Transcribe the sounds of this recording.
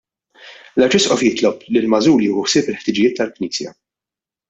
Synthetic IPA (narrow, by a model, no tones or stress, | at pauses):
lɐɾt͡ʃɪsʔɔfjɪt̪lɔplilmɐzuːljuːhʊħsɪːpɪlħt̪ɪd͡ʒɪjɪːt̪ːɐlkniːsjɐ̰